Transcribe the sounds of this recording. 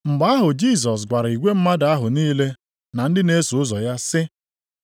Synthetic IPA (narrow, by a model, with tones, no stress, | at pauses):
ŋ͡m̩˨ɡ͡ba˨˦a˦ɦʊ˨d͡ʒi˦˨s̬ɔ˨s̬ɡʷa˨ɾi˨ɡʷe˦m̩˦ma˦da˦ɦʊ˨niː˦le˦ | na˨n̩˦dɪ˦ne˦su˨ʊ˦zɔ˨ja˦sɪ˦